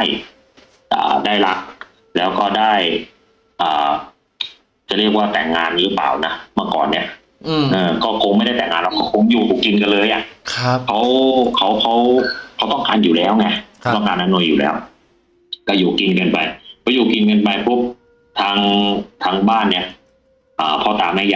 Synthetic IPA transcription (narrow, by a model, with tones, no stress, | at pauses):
a˥˩j | ʔa̰ː˨˩daː˥˩jla˦˥k̚ | lɛː˦˥wkɔː˥˩daː˥˩j | ʔaː˨˩ | t͡ɕa˨˦ɾi˥˩ək̚waː˥˩t̪ɛ̰˨˩ŋːaː˧nɾɯː˦˥pa̰ː˨˩wna˦˥maː˧˥˩kɔ̰ː˨˩nːi˦˥˩ɐʔ | ʔɤː˧˩kɔː˥˩kʰo˧ŋma˥˩jda˥˩jt̪ɛː˨˩ŋːaː˧nlɛ˧˥˩ka˧˥˩kʰo˧ŋjuː˨˩puː˨˩ki˧nka˧nlɤː˧jʔa˨˩kʰkʰa˦˥wkʰa˦˥wkʰa˦˥wkʰa˦˥wt̪ɔ˥˩ŋkaː˧njuː˨˩lɛː˦˥wŋa˧˩˦t̪ɔ˥˩ŋkaː˧nʔa˧no˧juː˨˩lɛ̰ː˦˥w | ka˧˩juː˨˩ki˧nkɤː˧npa˧jpʰɔː˧juː˨˩ki˧nkɤː˧npa˧jpʰu˦˥p̚ | t̪ʰaː˧˥ŋt̪ʰaː˧ŋbaː˥˩nːi˦˥ɐʔ | ʔɤː˨˩pʰɔ˧t̪aː˨˩˦mːa˧˥˩ja˧˩